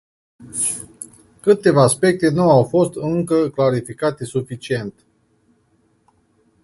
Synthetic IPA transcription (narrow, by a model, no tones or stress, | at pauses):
kɨt̪e̞vaːspe̞k̚t̪e̞nuawfo̞st̪ɨŋkəklaɾifikat̪e̞sufit͡ʃie̞nt̪